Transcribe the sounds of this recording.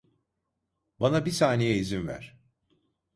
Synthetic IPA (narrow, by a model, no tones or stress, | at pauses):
banabisaːnejɛizinvæ̰ɾ̥